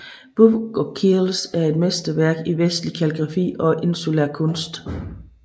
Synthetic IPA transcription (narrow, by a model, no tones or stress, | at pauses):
b̥uʋɡ̥ɒkʰilsæɐe̝d̥mesd̥əʋæɐɡ̥iʋesd̥likʰæleɡ̥ʁɑ̈fḭːɒ̽ʔe̝nsulæ̰ɐkʰɔ̽nsd̥